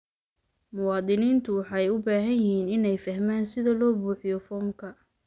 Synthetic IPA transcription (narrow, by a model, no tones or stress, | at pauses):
mʊwɑːd̪ɪniːnt̪ʰʊwɑħɑɛjʊbaːɦɐnjɪhiːnɪnɛjfɐhmaːnsɪðɐlɔːbuːħɪjɔfɔːmkʰɐ